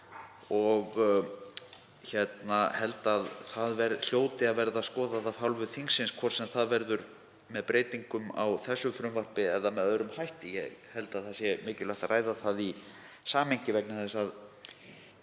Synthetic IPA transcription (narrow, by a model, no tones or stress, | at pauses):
ɔɣ | çɛt̪nahɛlt̪aðθaðvɛɾðl̥joːwt̪ɪaðvɛɾðaskɔːðaðavhawlvʏθiŋsːɪnskʰvɔr̥sɛmθaðvɛɾðʏɾ | mɛðpɾeːjt̪iŋkʏma̰wθɛsːʏfɾʏmvar̥pɪɛðamɛðœðɾʏmhajht̪ɪjɛ̰hɛlt̪aðθaðsjɛmɪːcɪlœht̪arʔaːjðaθaði | saːmeɲcɪvɛk̚naθɛsað